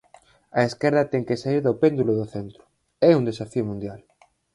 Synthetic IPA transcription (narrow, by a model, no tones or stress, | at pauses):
ɐeskɛɾðɐt̪ɛŋkesaiɾðopend̪uloðoθent̪ɾʊ̥ | ɛund̪esafiomũnd̪jal